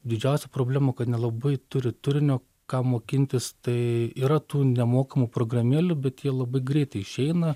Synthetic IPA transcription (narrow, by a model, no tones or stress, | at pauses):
d̪ʲɪd͡ʒʲɛʊsʲɛpɾoːbʲlʲæːmɐːkɐt̪nʲɛlˠɐbɐɪt̪ʊɾʲɪt̪ʊɾʲɪnʲoː | kɑːmoːkʲɪnʲt̪ʲɪst̪ɐɪiːɾɐt̪uːnʲɛmoːkɐmupɾoːɡrɐmʲiɛlʲʊbʲɛt̪jiɛlˠɐbɐɪɡɾʲɛɪt̪ɐɪɪʃʲɛɪnɐ